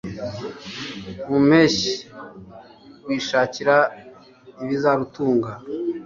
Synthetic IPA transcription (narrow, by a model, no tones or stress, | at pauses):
mumeʃ | wiːʃaːciɾa | iβizaɾutuːŋɡa